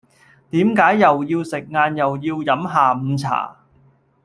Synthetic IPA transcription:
t̪iː˨˥mkaː˨˥jːɐ˨wjiː˧wsɪ˨k̚ŋaː˧njɐ˨˩wjiː˧wjɐ˨˥mɦaː˨m̩˨˧t͡sʰa̰ː˨˩

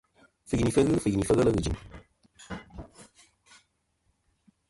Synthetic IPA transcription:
fɨ˨kni˨fə˦ɣɨ˦fɨ˨ni˨fə˦ɣə˦lə˦ɣɨ˨d͡ʒɨ˨m

